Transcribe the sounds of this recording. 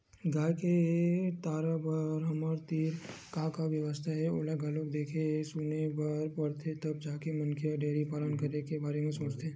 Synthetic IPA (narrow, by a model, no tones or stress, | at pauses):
ɡaːjket̪aːɾabəɾɦɐməɾt̪iːɾkãːkaʋjɐʋəst̪ʰaɦɛoːlaɡalok̚d̪eːkʰesuːnebɐɾpɐɾt̪ʰet̪ɐb̚d͡ʒaːkemɐnkʰeɔɖeːɾipaːlənkɐɾnekebaːɾemẽsoːt͡ʃt̪ẽː